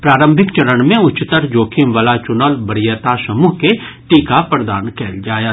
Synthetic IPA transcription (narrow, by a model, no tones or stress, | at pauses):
pɾaːɾə̃mbʱɪkt͡ʃɐɾəɳmẽʊt͡ʃːɪt̪əɾd͡ʒoːkʰimʋɐlat͡ʃʊnəlbɐɽijət̪asɐmuːɦke | ʈiːkapɾɐd̪aːnkɛːld͡ʒaːjət̪